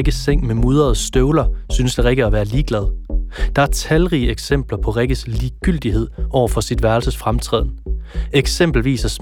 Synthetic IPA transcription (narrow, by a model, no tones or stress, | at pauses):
ɡ̥əseŋ̰memuð̞ˠɐð̩ˠsd̥øʊlɐsynəsd̥eʁeɡ̥əæʋæːɐliːɡ̥lɛð̞ˠd̥ɑ̈æɐt͡sʰælʁiːəeɡ̥sem̰b̥lɐpʰɒ̽ʁeɡ̥əsliːɡ̥yl̰d̥iɦe̝ð̞̰ˠɒʊ̰ɐfɒ̽sid̥ʋæɐlsəsfʁamt͡sʰʁɛ̰ð̰ˠn̩eɡ̥sem̰b̥l̩ʋḭːsæs